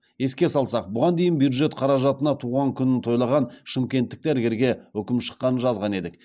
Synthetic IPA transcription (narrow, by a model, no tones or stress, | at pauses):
je̞skʲe̞sɑlˠsɑq̚bʊʁɑnd̪ejɪnbjud̪ʒe̞t̪qʰɑɾɑʒɑt̪ənɑt̪ʰuʁɑŋkʲʰʏnɪnt̪ʰo̞jlˠɑʁɑnʃɪmkʲe̞nt̪ːɪk̚t̪æɾɡʲe̞ɾɡʲe̞wɵkʲɪmʃə̥qːɑnənʒɑzʁɑne̞d̪ɪk̚